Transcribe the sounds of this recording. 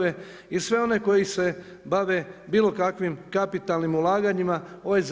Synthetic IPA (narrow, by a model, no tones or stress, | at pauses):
e | isʋe̞o̞ne̞ko̞jise̞ | baʋe̞biːlˠo̞kakʋimkapit̪aːlnimulˠaːɡaɲimao̞ʋajz